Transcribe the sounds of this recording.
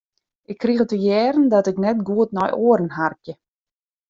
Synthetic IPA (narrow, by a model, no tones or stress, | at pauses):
ʔɪkʰːrixətəjɛːrn̩dɔtɪknɛtɡuətnɔjʔoəɾən̩ɦarkjə